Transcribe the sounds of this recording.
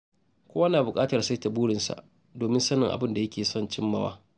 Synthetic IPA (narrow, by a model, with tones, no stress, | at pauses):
kʷoː˦wa˦naː˨bʊ˨kʼaː˦tɐ˨rsa˦ta˨buː˦ɽɪ˨nsa̰˨ʔ | doː˨mɪ˦nsɐ˦nɪ˨ŋʔa̰˨bɪ˦nda˨jɐ˦kʲʰeː˨sɔ˦nt͡ʃɪ˦mːɐ˦wa̰ː˦